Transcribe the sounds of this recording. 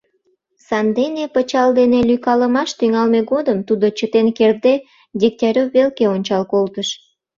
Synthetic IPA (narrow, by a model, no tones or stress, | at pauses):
sɑnd̪enepət͡ɕɑld̪enelykɑləmɑʃt̪yŋɑlmeɡod̪əmt̪ud̪ot͡ɕət̪enkerd̪e | d̪ʲik̚t̪ʲɑɾʲoβelkeonʲt͡ɕɑlkolt̪əʃ